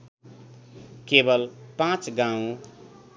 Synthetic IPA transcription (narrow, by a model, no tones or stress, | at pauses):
kebəlpãt͡ʃɡãũ